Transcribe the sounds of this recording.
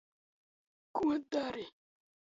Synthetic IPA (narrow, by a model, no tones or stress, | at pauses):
kuadaɾɪ